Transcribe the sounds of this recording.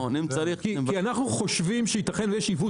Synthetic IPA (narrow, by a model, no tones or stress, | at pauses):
onimt͡saɾikikianaχnuχo̞ʃvimʃeit̪aχenujeʃivu